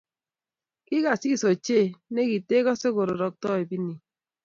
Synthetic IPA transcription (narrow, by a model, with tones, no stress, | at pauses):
ki˦ka˨si˦˨so˨t͡ʃe˦˨ne˦ki˨te˦kɔ˦se˦ɡo˨ɾo˨ɾɔ˨k̚tɔ˦e˨bi˦ni˨